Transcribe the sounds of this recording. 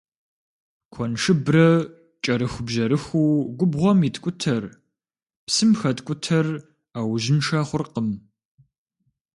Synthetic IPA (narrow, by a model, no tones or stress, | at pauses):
kʷʰɔnʂɨbrɐ | t͡ʃʼɐɾɨxʷbʒɐɾɨxuːɡʷʊbʁʷɔmiːtʰʼkʷʼʊtʰɐr | psɨmxɐtkʷʼʊtʰɐr | aːwʒɪnʂɐχʷʊrqəm